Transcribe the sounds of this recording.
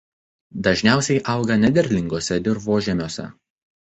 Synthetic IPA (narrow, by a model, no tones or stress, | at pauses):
d̪ɐʒʲnʲæˑʊsʲɛɪʔɐʊɡɐnʲɛd̪ʲɛɾʲlʲɪŋɡoːsʲɛd̪ʲɪɾʋoːʒʲɛmʲoːsʲɛ̰